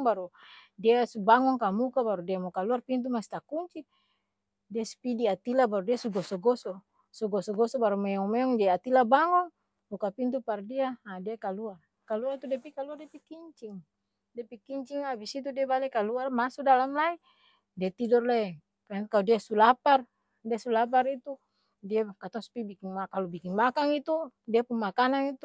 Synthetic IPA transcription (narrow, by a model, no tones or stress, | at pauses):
ŋbaɾudiasubaŋɔŋkamukabaɾudiamɔkaluarpint̪̬umasi̥t̪akuɲt͡ʃi | diasu̥pidiat̪ilabaɾudiasuɡɔsɔɡɔsɔ | sɔɡɔsɔɡɔsɔbaɾumɛɔŋmɛɔŋd͡ʒaiat̪ilabaŋɔŋ | mukapint̪̬upardiaadiakaluar | kaluart̪udɛpikaluardɛpikiɲt͡ʃiŋ | dɛpikiɲt͡ʃiŋabisit̪̬udiabalɛkaluarmasudalamlai | diat̪idɔrlɛ | pɛɛnkalɔdiasulapar | diasulap̬arit̪u | diakat̪aŋsu̥pibikiŋmakalubikiŋmakaŋit̪udiapuŋmakanaŋit̪u